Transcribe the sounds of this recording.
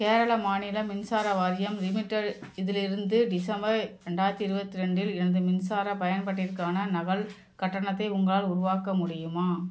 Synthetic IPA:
keːɾɐɭɐmaːnɪlɐmɪnsaːɾɐʋaːɾɪjɐmɾɪmɪʈːɐɽɪðɪlɪɾɯnd̪ɯɖɪsɐmbɐɾɾɛɳɖaːjɐɾt̪ːiɪɾɯbɐt̪ːɪɾɐɳɖɪlɛnɐðɯmɪnsaːɾɐpɐjɐnpɐʈːɪrkaːnɐnɐɣɐɭ | kɐʈːɐɳɐt̪ːɐɪʊŋɡɐɭaːlʊɾʊʋaːkɐmʊɽɪjɯmaː

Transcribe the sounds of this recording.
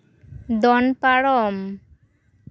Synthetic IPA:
d̪ɔnpaɽɔm

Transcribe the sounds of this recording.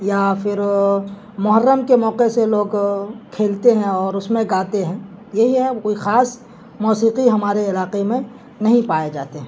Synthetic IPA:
jafʰɪɾ | mʊɦəɾːəmkemɔːqeseloːɡkʰeːlt̪eɦɛ̃ɔːɾʊsmẽɡaːt̪eɦɛ̃ːjɐɦiɦɛkoːixaːs | muːsiːqiɦɐmaːɾeɪlaːqemẽ | nɐɦĩpaːed͡ʒa̰ːt̪eɦɛ̃

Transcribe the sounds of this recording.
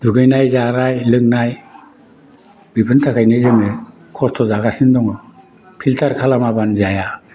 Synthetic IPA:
d̥uɡɯjnajzaɾajlɯŋ̚naj | bipʰɯntʰakʰajnɯzɯmɯ | kʰɔstʰɔzaɡasindɔŋɔ | pʰiltʰaɾkʰalamabanzaja

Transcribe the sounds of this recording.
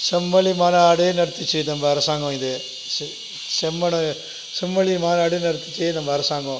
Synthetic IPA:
sɛmːɐɭimaːnɐːɽejnɐɽɯt̪ːɯt͡ʃːɯnɐmbɐːɾɐsaːŋɡõɪðɯ | sɛmːɐnɐ | sɛmːɐɭimaːnɐɐɽɐjnɐɽɯt̪ːɯ̥t͡ʃːɯnɐmbɐːɾɐsaːŋɡõ

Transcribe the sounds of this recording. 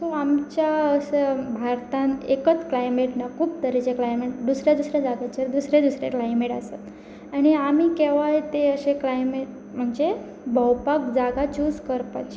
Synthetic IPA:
soamt͡ɕjasəbʱaɾt̪ãnekət͡sklajmeʈnakʰuːp̚t̪əɾit͡ɕeklajmeʈd̪usɾjad̪usɾjad͡zaɡat͡ɕeɾd̪usɾed̪usɾḛklajmeʈaset̪ | aɽ̃iamikeʋajt̪eəɕeklajmeʈ | m̤əɳd͡ze | bəwpakd͡zaɡat͡ɕuːd͡zkəɾpat͡ɕ

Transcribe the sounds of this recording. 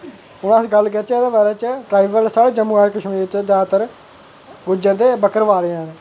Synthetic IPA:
ʊnãːsɡəlkəɾt͡ʃɛːd̪ãːbaːɾɛːt͡ʃəʈɾaːiːbəlsaːɽeːd͡ʒəmuːaːɽkəʃmĩːdeɪt͡ʃd͡ʒaːt̪əɾ | ɡʊd͡ʒəɾd̪eːbəkəɾʋaːɾeãːneː

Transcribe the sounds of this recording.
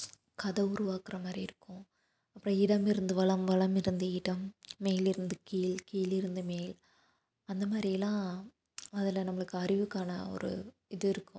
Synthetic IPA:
kɐðɐʊɾʊʋaːkɪɾɐmaːd̪ɾiɪɾɯkːʊ̃ | ɐpːɾɔ̃ɪɽɐmɪɾɯnd̪ɯʋɐɭɐmʋɐɭɐmɪɾɯnd̪ɯɪɽɐmːeːlɪɾɯnd̪ɯkiːlkiːlɪɾɯnd̪ɯmeːl | ɐnd̪ɐmaːɾɪjɐlãː | ɐðɪlɐnɐmːɐɭɯkːɯɐɾɪʋɯkːaːnɐ̰ɔ̰ɾɯ̰ | ɪðɯɪɾɯkːʊ̃

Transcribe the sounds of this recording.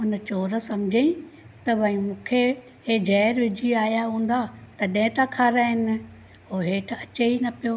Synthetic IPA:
ʊnə̆t͡ɕoːɾsɐmd͡ʑʱeĩ | t̪ɐbʱɐĩmũːkʰe | ɦed͡ʑʱɛːɾʋɪd͡ʑʱiaːjaɦũːn̆d̪at̪ɐɗɪ̃ɪ̃t̪akʰaːɾaːɦɪnɪ̆ | ɦoːɦeːʈ̆ʰɐt͡ɕeinɐpijoː

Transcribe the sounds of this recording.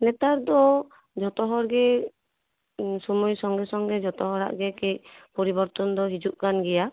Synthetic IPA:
nɛt̪aɾd̪ɔ | d͡ʒɔt̪ɔɦɔɾɡɛ | sɔmujsɔŋɡɛsɔŋɡɛd͡ʒɔt̪ɔɦɔɾa̰ʔɡɛkɛc̚pɔɾibɔɾt̪ɔnd̪ɔɦid͡ʒuʔkanɡɛja

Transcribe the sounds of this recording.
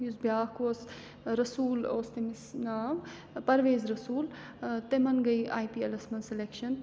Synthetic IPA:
juzbjaːhkos | ɾɐsuːloːst̪emisnaːʋ | pɐɾʋeːzɾɐsuːl | t̪emɐnɡɐjʔaːjpiːɐlɐsmɐnselekʃɐn

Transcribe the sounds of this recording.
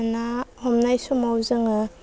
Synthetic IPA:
nahɔmnajsɔmawzɯŋɯ

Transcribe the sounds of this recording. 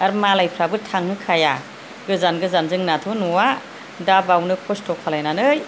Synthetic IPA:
aɾmalajpʰɾabɯtʰaŋhɯkʰaja | ɡɯzanɡɯzanzɯŋnatʰɔnuwa | dabawnɯkʰɔstʰɔkʰalajnanɯj

